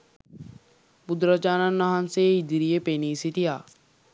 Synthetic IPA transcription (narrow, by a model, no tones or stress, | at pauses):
bud̪ɾat͡ʃaːnanːaɦanseid̪iɾijepeniːsit̪ijaː